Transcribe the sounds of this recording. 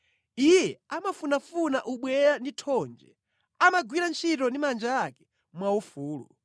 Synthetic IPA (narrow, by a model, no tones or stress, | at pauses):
ijɛamafunafunaʔuɓwɛɾanditʰɔnd͡ʒɛ̰ | amaɡwiɾant͡ʃʰitɔndimand͡ʒaːkɛ̥ | mwaufuːlṵ